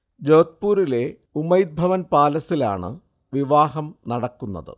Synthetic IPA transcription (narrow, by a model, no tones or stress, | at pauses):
d͡ʑoːt̪̚puːɾile̞ | umɐjd̪̚bʱɐʋɐnpaːlɐsila̰ːɳɨ̰ | ʋiʋaːɦɐmnɐɽɐkːunːɐ̰ðɨ̰